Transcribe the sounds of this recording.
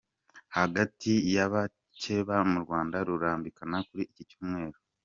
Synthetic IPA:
haɡatijaβa | t͡ʃe̞βamuɾɡwaːndaɾuɾaːmbikanakuɾiʔːcit͡ʃuːmŋe̞ːɾo

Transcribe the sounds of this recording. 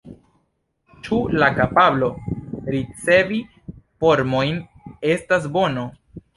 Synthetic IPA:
t͡ʃulakapablo̞ɾit͡se̞vi | fo̞ɾmo̞jn | e̞stas̬bo̞no̞

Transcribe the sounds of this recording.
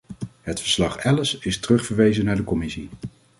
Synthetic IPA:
ɦətfəɹslɑχɛləsɪstərɵχfəɹʋejzənaːɹdəkɔmɪsi

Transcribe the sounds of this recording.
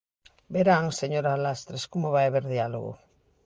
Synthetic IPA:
beɾaŋseɲoɾalast̪ɾeskumoβaeβeɾðialṵɣṵ

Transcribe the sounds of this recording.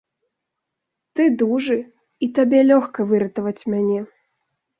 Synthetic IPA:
t̪ɨd̪uʐɨ | it̪abʲɛlʲɔxkɐvɨɾɐt̪ɐvɐt͡sʲmʲanʲɛ

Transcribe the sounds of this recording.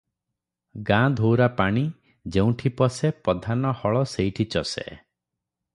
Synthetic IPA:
ɡãd̪ʱowɾapaɽ̃i | d͡ʒeũʈʰipɔsepɔd̪ʱanɔhɔɭɔseiʈʰit͡ʃɔsḛ

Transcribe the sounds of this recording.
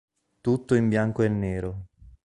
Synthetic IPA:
t̪ut̪ːoimbjaŋkoɛnnːeːɾo

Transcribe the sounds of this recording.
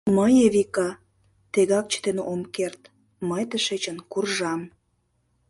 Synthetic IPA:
məjeβikɑ | t̪eɣɑk̚t͡ɕə̥t̪enomkert̪ | məjt̪əʃet͡ɕənkurʒɑm

